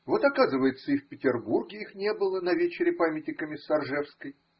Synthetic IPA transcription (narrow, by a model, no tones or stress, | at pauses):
vo̞t̪ɐkazɨvəjɪt̪səifpʲɪtʲɪrburɡʲɪixnʲe̞bɨlˠənɐvʲet͡ɕɪɾʲɪpamʲɪt̪ʲnʲɪkəmʲɪsːɐrʐɛfskəj